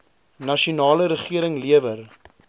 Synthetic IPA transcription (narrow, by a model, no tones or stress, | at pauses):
nɐʃiunɑːləɾəχiəɾəŋliəvər